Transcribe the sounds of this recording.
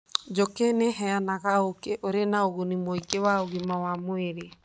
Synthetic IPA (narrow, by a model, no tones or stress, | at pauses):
d͡ʒokeneɦɛanaɣaokeʔoɾenaoɣunimoikewaoɣimawamoeɾe